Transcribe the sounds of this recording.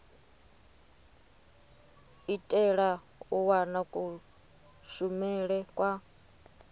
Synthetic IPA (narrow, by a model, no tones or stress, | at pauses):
itʼɛɺa | uwanakʼu | ʃumɛɺɛkʼwa